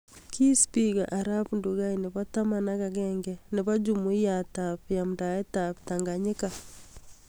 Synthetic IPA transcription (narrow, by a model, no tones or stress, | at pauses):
kispiɣa̰ʔaɾapnduɣainɪβatamanaɣaɣɛŋɡɛneβad͡ʒumuijatapjamdaɛtaptaŋɡaɲeka